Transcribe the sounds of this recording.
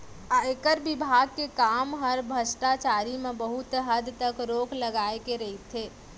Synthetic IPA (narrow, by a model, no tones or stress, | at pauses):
aekəɾbɪbʱaːɡ̚kekaːmɦəɾbʱəsʈat͡ʃaːɾimẽbəɦʊt̪ɦəd̪t̪əkɾoːkʰlɐɡaːekeɾɐɦit̪ʰeː